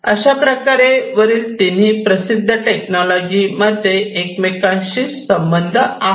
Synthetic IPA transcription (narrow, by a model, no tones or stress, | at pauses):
əɕapɾəkaɾeʋəɾiːlt̪in̤iːpɾəsid̪ʱːəʈeknɔlɔd͡ʑiməd̪ʱːjeʔːkmekãnɕiːsəmbənd̪ʱəa